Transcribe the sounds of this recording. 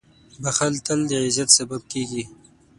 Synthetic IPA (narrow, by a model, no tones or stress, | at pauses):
baxalt̪əld̪əʕɪzat̪sɐbab̚keɡi